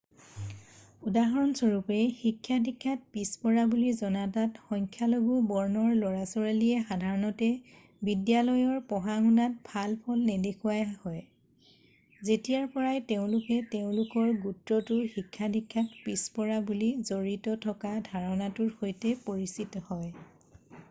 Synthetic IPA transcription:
udaɦɔɹɔnsɔɹupɛxikʰːjadʱikʰːat̚pispɔɹabulizɔnatatxɔŋkʰjaloɡubɔɹnɔɹlɔɹasɔɹaliɛxadʱaɹɔnɔtɛ | bidjalɔjɔɹpɔɦaɦunat̚bʱalpʰɔlnɛdekʰuwajhɔj | zetijaɹpɔɹajteʊ̃lʊkɛteʊ̃lʊkɔɹɡutɹɔtʊɹxikʰːadʱikʰːatpispɔɹabulizoɹitɔtʰɔkadʱaɹɔnatʊɹxojtɛpoɹisitɔhɔj

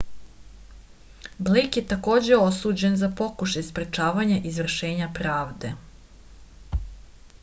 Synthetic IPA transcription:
blejkjet̪ako̞ːd͡ʑeo̞suːd͡ʑenzapo̞kuʃajspɾet͡ʃaːʋaɲaʔizʋr̩ʃe̞ːɲapɾaːʋd̪e̞

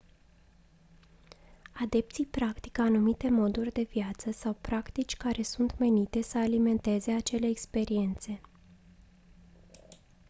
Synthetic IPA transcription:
ad̪e̞p̚t̪sijpɾakt̪i̥kəanumit̪e̞mo̞d̪urʲd̪e̞viat̪səsawpɾakt̪it͡ʃʲkaɾe̞sunt̪me̞nit̪e̞səalime̞nt̪e̞ze̞at͡ʃe̞le̞ːkspe̞ɾie̞nt̪se̞

